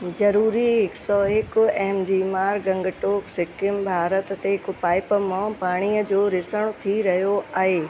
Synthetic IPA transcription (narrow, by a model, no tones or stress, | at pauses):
zɐɾuːɾiɦɪksɔːɦɪkʊɛɦmd͡ʑiːmaːɾɡɐ̃ŋɡəʈoːksɪkɪmbʱaːɾət̪t̪eɪkʊpaːɪpmãpaːɽ̃iəd͡ʑoːɾɪsəɽ̃t̪ʰiɾɐɦijoaːɦeː